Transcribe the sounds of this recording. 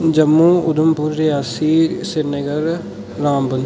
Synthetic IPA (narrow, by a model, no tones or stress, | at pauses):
d͡ʒəmːuːʊd̪ʊmpʊɾːɪjaːsiːsɪɾnəɡəɾ | ɾaːmbən